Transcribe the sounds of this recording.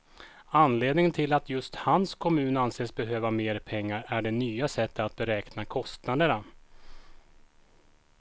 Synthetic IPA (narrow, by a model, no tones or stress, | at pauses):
anːleːd̪nɪŋənt̪ʰɪlːat̪ʰjɵst̪hanskʰɔmʉ̟ːnanseːsbɛɦøːvameːɾpʰɛŋːaɾæɖɛnyːasɛt̪ːat̪̚bɛɾɛːknakʰɔst̪nad̪əɳa